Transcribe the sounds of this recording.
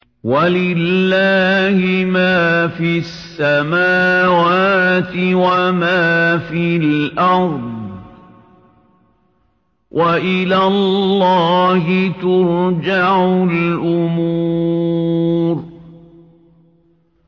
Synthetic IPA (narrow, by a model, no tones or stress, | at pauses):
walɪlːaːhɪmaːfisːamaːwaːt̪ɪwamaːfilʔɑɾˤd̪ˤ | wʔaʔɪlaːllːɑːhɪt̪ʊɾd͡ʒaʕʊlʔʊmu | ɾ